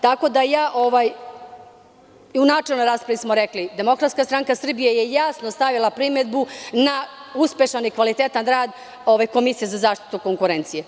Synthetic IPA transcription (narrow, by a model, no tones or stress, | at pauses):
t̪ako̞d̪ajaːʔo̞ʋaj | iunaːt͡ʃelnojɾaːspɾaʋismoɾeklid̪e̞mo̞kɾat̪skast̪ɾaŋkasr̩bijejejasnost̪aʋilˠapɾime̞d̪bunauspʲe̞ʃanikʋalit̪et̪anɾaːd̪ | o̞ʋajko̞misijezazaːʃt̪i̥t̪uko̞ŋkuɾent̪sije